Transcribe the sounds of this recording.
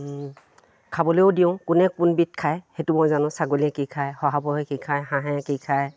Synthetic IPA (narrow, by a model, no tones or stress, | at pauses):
kʰabɔlojodiʊ̃kunɛkʊnbit̚kʰajhetʊmojzanʊ̃saɡoliɛkikʰajhɔɦabɔekikʰajɦãɦɛ̃kikʰaj